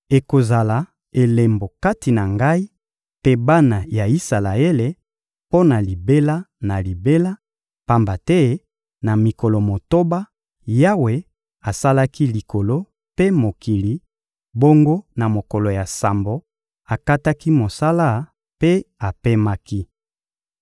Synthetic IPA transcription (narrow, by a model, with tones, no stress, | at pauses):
e˨ko˨za˨la˨ | e˨le˨mbo˨ka˦ti˨na˨ŋɡa˦i˦ | pe˦ba˦na˨ja˨i˦sa˨la˨e˦le˨ | po˦na˨li˨be˦la˦na˨li˨be˦la˦ | pa˦mba˨tɛ˦ | na˨mi˨ko˨lo˨mo˨to˦ba˦ | ja˦we˨ | a˨sa˦la˦ki˦li˨ko˨lo˦ | pe˦mo˨ki˨li˨ | bo˦ŋɡo˦na˨mo˨ko˨lo˨ja˨sa˨mbo˨ | a˨ka˦ta˦ki˦mo˨sa˦la˦ | pe˦a˨pe˦ma˦ki˦